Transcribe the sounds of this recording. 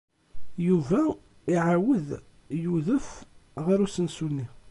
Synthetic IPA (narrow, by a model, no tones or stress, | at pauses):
juvæ | iʕawəð | juðəfʁəɾusənsunːi